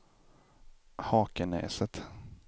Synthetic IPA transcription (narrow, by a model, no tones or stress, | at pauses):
hɑːkənɛ̰ːsət̪